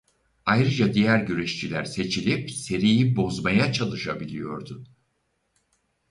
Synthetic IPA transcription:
ajɾɯd͡ʒad̪ijæɾɟyɾeʃt͡ʃilʲæɾse̞t͡ʃʰilʲipse̞ɾijibo̞zmajat͡ʃʰalˠɯʃabilʲijo̞ɾd̪ʊ

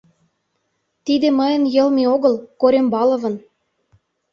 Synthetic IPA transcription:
t̪id̪ĕmɤ̆jə̆njɤ̆lmioɣɤ̆lkoɾʲembɑlɤ̆βɤ̆n

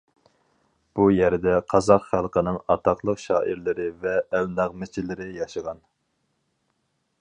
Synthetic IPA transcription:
b̥ujɛɾd̪ɛqʰɑzɑqχælˠqʰənɨŋɑt̪ʰɑqlˠəqʃɑːʔiɾlɪɾɪvɛːlnæʁmɪt͡ʃʰilɪɾɪjɑʃəʁɑn

